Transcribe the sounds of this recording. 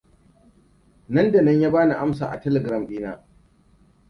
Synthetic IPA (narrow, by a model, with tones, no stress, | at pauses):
nɐ˦nda˨nɐ˦ɲjaː˦baː˦na˨ʔa˦msa̰ː˨ʔa̰˨tɛ˦lɛ˨ɡɾa˦˨mɗiː˦na̰ː˦